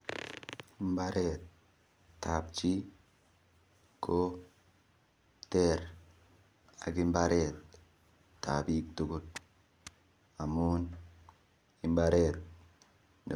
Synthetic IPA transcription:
mbaɾʔet̪ː | a˨b̚t͡ʃi˦ | ko | teɾ | a̰˨ɡi˦mbaɾetː | a˨bi˦k̚tu˨ɡu˦t̚ | a˨mun | i˨mbaɾet̪̚ | n̰˨

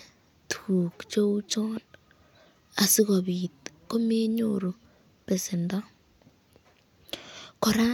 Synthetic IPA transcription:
tʰu˨kt͡ʃo˦u˦t͡ʃo˦n | a˨si˦ɣo˨βi˨tko˦me˦ɲo̰ɾo˨ | pe˨se˨nda˦ | ko˨ɾa˦

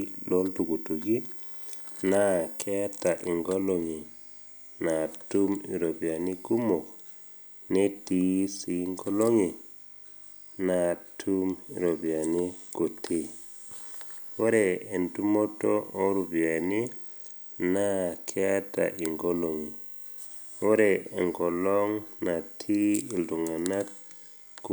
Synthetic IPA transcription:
lo˦ltu˨ɡu˨tu˨ɡi˦ | na˦kʰe˦a˦ta˨ʔi˨ŋɡo˦lo˨ŋi˨ | na˨tu˦mi˨ɾo˨bi˨a˨ni˦ɡu˦mo˨k | ne˦ti˨si˨ŋɡo˦lo˦ŋi˨ | na˨tʰu˦mḭ˨ɾo˨bi˨a˨ni˦ko˨tʰi˦ | wo˦ɾe˨e˨ntu˦mo˦to˦o˦ɾu˨bi˨a˨ni˦ | na˦kʰe˦a˦ta̰˨ʔi˨ŋɡo˦lo˨ŋi˨ | wo˦ɾe˨e˨ŋɡo˨lo˦ŋna˨tʰi˦i˨ldu˨ŋa˨na˦t̚ | k

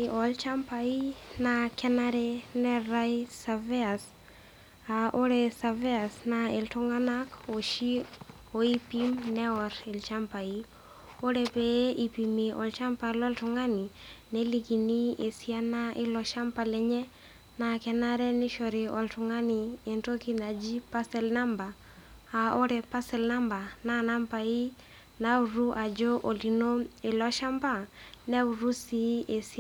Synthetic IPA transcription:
ʔɔlt͡ʃampai˦nakɛ˦naɾɛnɛɾajsavɛ˦as | aʔo˦ɾɛsa˨vɛ˦asnaɪ˨ltʊŋanakɔʃi | oipimnɛɔɾɪlt͡ʃampai | ɔ˦ɾɛpɛʔi˨pimeʔɔ̰lt͡ʃa˦mpalɔ˦ltʊŋaninɛ˦liki˨ni˦e˨si˦a˦na˦ʔɪ˦lɔ˨ʃa˦mpa˨lɛ˦ɲɛ˦ | na˨kɛ˨na˦ɾɛ˦ni˦ʃɔ˨ɾɪ˨ɔ˨ltu˨ŋa˦ni˨e˨nto˦ki˦na˨d͡ʒi˦pa˦sɛ˦lna˦mba˨ | ao˦ɾɛ˨pa˦sɛ˨lna˦mba˨na˦na˦mpa˨i˦ | na˦u˨ɾu˦ʔa˨d͡ʒɔ˦ʔo˨li˨no˦ɪ˨lɔ˦ʃa˦mpa˦nɛ˦uɾu˦si˦e˨si˦

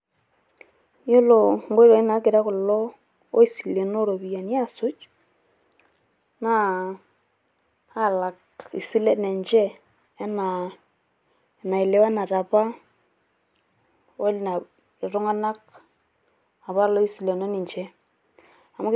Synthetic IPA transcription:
jo˦lo˨ŋɡo˦ɾo˨i˦na˨˦kɪ˨ɾa˦kʊ˨lɔ˦ | o˦i˦si˨le˨no˦ɾo˨bi˨ja˨ni˦a˦˨sʊ˦t͡ʃ | na˦ | a˦˨la˨k | ḭ˨si˦lɛ˦tnɛ˨nt͡ʃɛ˦ | ɛ˦na˨ | na˨ɪ˨le˦wa˦na˨ta˨pa˦ | o˦lna˨ | ɪ˨ɾʊ˦ŋa˦na˦k̚ | a˨βa˦lɔ˦i˦si˨le˨no˦ni˨ɲt͡ʃɛ˦ | a˨m˦

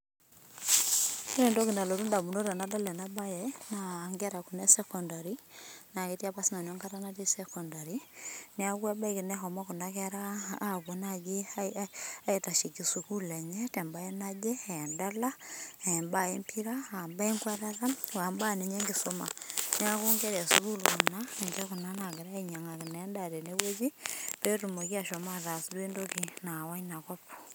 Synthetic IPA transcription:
i˦ɾɛ˨ndo˦ki˨nda˨lo˨tu˦nda˨mu˨no˦ɾa˨nada˦lɛ˨na˦bajɛnaŋɡɛ˦ɾa˨ku˨nɛ˦sɛkɔndaɾina˨ketia˦pasi˦na˨nɔ˦ŋka˦ta˦nati˦sɛkɔndaɾiniakwa˦ba˦i˨ki˨nɛ˦ɦɔma˦ku˨nakɛɾaːβo˨naɡe˦aaeta˨ʃi˨ki˨su˨ku˦lɛ˨ɲɛte˨mba˦e˦na˦d͡ʒe˦˨nda˦la˦˨mba˦˨e˦mpʰi˦ɾa˦a˨mba˦e˦ŋkwa˦ɾaða˦wa˨mba˦˨ni˨ɲe˦ŋɡisoma̰˨ne˦a˦ku˦ŋɡe˦ɾa˨su˨ku˦lu˨ku˨nae˨ɲt͡ʃa˦ku˨na˦na˨ɡɪ˨ɾa˦iɲa˨ŋa˨ki˨nenda˨ɾe˨ne˦we˦d͡ʒi˦pe˦ɾu˨mo˨ki˦a˨ʃo˨ma˦ða˨sdwe˦ndo˦kina˨wa˦ɲna˨kɔ˦p

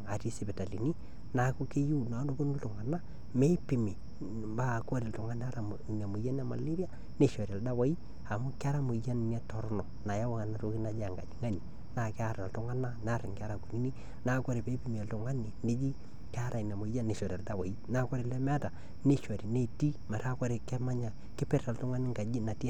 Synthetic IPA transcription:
a˨ti˦si˦bɛ˨ta˨li˨ni˦ | na˨˦ku˦ke˦ju˦na˨˦no˦bo˦no˦ltʊ˨ŋa˨na˦ | me˦i˦pi˨mi˨ | ba˦˨kɔ˦ɾi˨ltʊ˨ŋa˦n˦a˦ɾa˨n˨a˨mo˨ja˦n˦a˦ma̰˨li˦bi˦a˦ | ne˦ʃɔ˨ɾa˨lda˦wa˦i˦ | a˨mʊ˦ka˦ɾa˦mo˨ja˦n˨n˦a˦tɔ˨ɾnɔ˨na˨ja˦wa˦a˨na˦ɾo˦ki˦na˨˦d͡ʒa˨ŋɡa̰˨d͡ʒŋa˦ni˨ | na˨kɪ˦a˦˨ɾa˨ltʊ˦ŋa˦na˦na˦ɾɪ˨ŋka˦ɾa˨ku˨ni˦ni˦ | na˦kɔ˦ɾi˨pe˦pi˨m˨a˨ltʊ˨ŋa˦ni˨ne˦d͡ʒi˦ | ka˦ɾa˨i˨na˨mo˨˦ja˦ne˨ʃɔ˨ɾa˨lda˦˨wa˨i˦na˦kɔ˦ɾi˨lɛ˦mɛ˦ta˨ | ne˦ʃɔ˨ɾi˨ne˦ti˦ma˨ɾa˦kɔ˦ɾe˨kɛ˦ma˦ɲa˨ | kɪ˦pɛ˦ɾa˨ltʊ˦ŋa˦nɪ˦ŋɡa˨d͡ʒi˦na˨ti˦

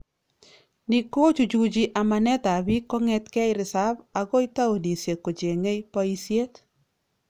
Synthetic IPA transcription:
nɪ˨ko˦t͡ʃu˨d͡ʒu˨d͡ʒi˨˦ʔa˨ma˨nɛ˦ta˨bi˦kɔ˦ŋɛ˦tkɛ˦jɾɪ˨sa˦ba˨ko˦i˦ta˦o˨ni˨sje˨ko˨d͡ʒe˨ŋe˦jpɔ˦i˦sje˦t

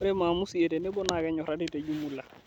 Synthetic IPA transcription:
ɾe˦maː˨mu˦si˨e˨te˨nɪ˦bɔ˦na˨kɛ˦ɲɔ˨ɾa˦dɪ˦˨te˨d͡ʒu˦mu˦la˨

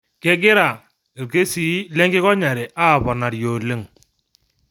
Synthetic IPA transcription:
kɛ˦ɡɪ˦ɾa˨ | e˨ɾke˦si˦lɛ˦ŋɡɪ˦kɔ˦ɲa˨ɾɛ˨ʔa˦˨βɔ˨na˨ɾjo˨le˦ŋ

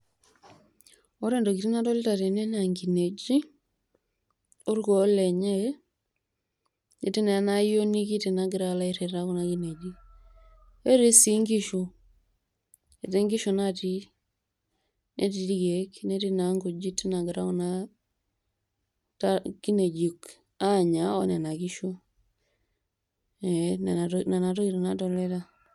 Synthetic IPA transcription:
ɔ˦ɾe˦ndo˨ki˨ti˦na˦tɔ˦li˦ta˨te˨ne˦na˨ŋɡi˨ne˨d͡ʒi˦ | o˦ɾɡɔ˨˦lɛ˨ɲe˦ | ne˨ti˦ne˨a˨na˦jo˦ni˦ki˦ti˨na˨ɡɪ˨ɾa˨la˦i˨ɾe˨ɾa˦ku˨na˨ɡi˦ne˨d͡ʒi˦ | e˦ɾi˦si˨ŋɡi˦ʃo˨ | e˨te˦ŋɡi˦ʃo˨na˦ti˦ | nʔe˦ti˨di˦ɡe˨kne˦ti˦na˨˦ŋɡo˨d͡ʒi˦ti˦na˨ɡi˨ɾa˦ku˦na˦ | tki˦ne˨d͡ʒi˨k | a˦ɲa˨o̰˦na˨na˨ki˦ʃo˦ | e˨n˨na˨na˨to˦ki˦ɾe˨na˦to˦˨le˦ta˦

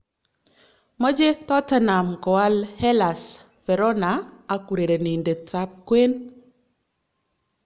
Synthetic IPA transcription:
mɔ˦d͡ʒe˦t̪ɔ˦ta˦na˨mkɔ˨wa˦lhɛ˦la˨s | fɛ˨ɾɔ˦naː˨˦ku˨ɾe˨ɾe˨ni˨nde˨t͡sa˦p̚kwe˦n

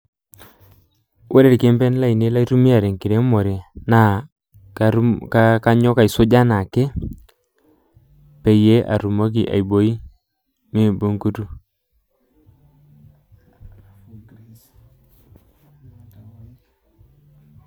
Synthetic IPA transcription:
wʔe˦ɾe˦ɾkɪ˨˦mpɛ˦nla˦i˨ne˦la˦i˦tu˦mi˦a˨ɾe˨ŋki˨ɾe˦mo˨ɾe˨na˦˨˦ | ka˦ka˦ɲɔ˦ka˨i˨sʊ˦d͡ʒa˦na˨ke˦ | pe˨je˦ʔa̰˨ɾu˨mo˦k̬i˨ʔa̰˨jbo˨˦i˦ | mi˦˨bu˦ŋku˦tu˦

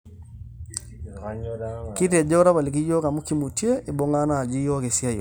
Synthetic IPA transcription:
ki˦tɛ˨d͡ʒɔ˦ɾa˦βa˨li˨k̬i˦jɔ˦ka˨mo˦ki˦mu˨te˦e˨bɔ˦ŋa˦na˦˨d͡ʒi˦jɔ˦ke˨sja˦jɔ̰˨

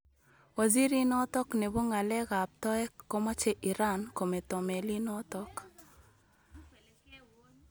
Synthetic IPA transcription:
wa˨zi˦ɾi˦nɔ˦t̪ɔ˦kne˨bo˦ŋa˨lɛ˦ɣa˨p̚t̪ɔ˦ɛ˦kːɔ˦ma˦t͡ʃe˦ʔi˨ɾa˦nko˨me˨t̪ɔ˨me˨li˦nɔ˦t̪ɔ˦k

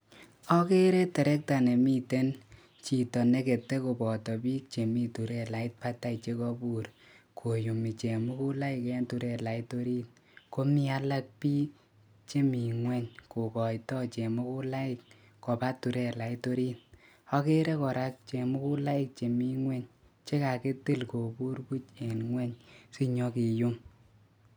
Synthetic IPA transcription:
ɔ˦ke˦ɾe˦tɛ˨ɾɛ˦k̚ta˨ne˨mi˦te˦n | t͡ʃi˨tɔ˨ne˦ke˨te˦ko˨pɔ˨tɔ˨pi˦k̚t͡ʃe˨mi˦tu˨ɾe˦la˨i˦t̚pa˦ta˦i˨t͡ʃe˧kɔ˦bu˦ɾ | kʰo˨ju˨mi˨t͡ʃe˨mu˦ku˦la˦ɪ˨kɛ˦ntu˨˧ɾe˦˨la˨i˦to˦ɾi˦t̚ | ko˦mi˦a˧la˦k̚piː˦ | t͡ʃe˦mi˨ŋwɛ˦ɲko˨kɔ˨jtɔ˦t͡ʃe˨mu˦ku˦la˦ɪ˨k̚ | kɔ˨pa˦tːu˨ɾe˦la˨i˦to˧ɾi˦t̚ | ɔ˦ke˦ɾe˦kɔ˨ɾa˦k̚t͡ʃe˨mu˦ku˦la˦ɪ˦˨k̚t͡ʃe˨mi˦ŋwɛ˦ɲ | t͡ʃe˦ka˨ke˦te˦lko˨pu˦ɾku˦t͡ʃe˨nŋwɛ˦ɲsi˦ɲɔ˧˦ki˨ju˦m

